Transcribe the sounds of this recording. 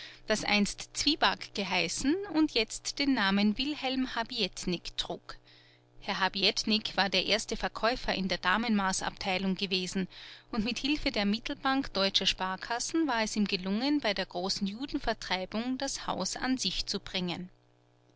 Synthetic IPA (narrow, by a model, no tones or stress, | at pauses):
d̥asʔa̰ɪnstt͡sv̥iːbakɡ̥əɦaɪsn̩ʊntjɛt͡std̥eːnːaːmənvɪlhɛlmhabiɛtnɪktʁ̥uːk | hɛɐɦabiɛtnɪkv̥aːɐdeːɐʔeːɐstəfɛɐkʰɔʏfɐʔɪ̰ndeːɐd̥aːmənmaːsa̰ptʰaɪlʊŋɡəveːzn̩ʔʊntmɪthɪlfədeːɐmɪtl̩b̥aŋkd̥ɔʏt͡ʃɐʃpaːɐkʰasn̩vaːɐɛsiːmɡəlʊŋənbaɪdeːɐɡ̥ʁoːsn̩juːdn̩fɛɐtʁ̥aɪbʊŋd̥asha̰ʊsa̰nzɪçt͡subʁɪŋən